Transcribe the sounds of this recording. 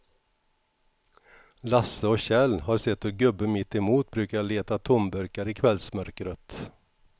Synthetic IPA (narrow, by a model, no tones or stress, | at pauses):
lɑsəoːɕɛlhɑːɾsɛt̪ːoːɡɵbəmɪt̪ːɛmuːt̪̚bɾʉːkajɑːleːt̪at̪ʰʊmbœɾkaɾiːkʰʋɛlsmœɾkɾœt̪